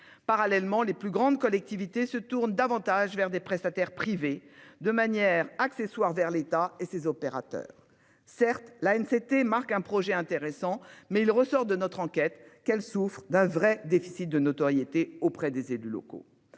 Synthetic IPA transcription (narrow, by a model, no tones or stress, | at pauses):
paʁalɛlmɑ̃leplyɡʁɑ̃d̪kɔlɛk̚t̪ivit̪esət̪uʁnd̪avɑ̃t̪aʒvɛʁd̪epχɛst̪at̪ɛʁpχived̪əmanjɛʁakseswaʁvɛʁlet̪aesezɔpeʁa̰t̪œ̰ːʁ | sɛʁt̪laɛnset̪emaʁkɛ̃pχɔʒɛɛ̃t̪eʁesɑ̃mɛilʁəsɔʁd̪ənɔt̪χɑ̃kʲɛt̪kɛlsufχd̪ɛ̃vʁɛd̪efi̥sit̪̚d̪ənot̪ɔʁjet̪eopχɛd̪ezelylɔ̰ko̰